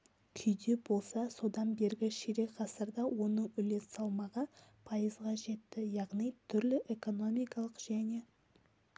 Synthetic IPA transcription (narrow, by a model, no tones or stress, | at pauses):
kʲʰʏjd̪e̞bo̞lˠsɑso̞d̪ɑnbe̞ɾɡʲɪʃeɾe̞qʰɑsəɾd̪ɑwo̞nəɴʏle̞ssɑlˠmɑʁəpʰɑjəzʁɑʒe̞t̪ːɪjɑʁnijt̪ʰʏɾlɪʔe̞ko̞no̞mijkɑlˠəqʒæne̞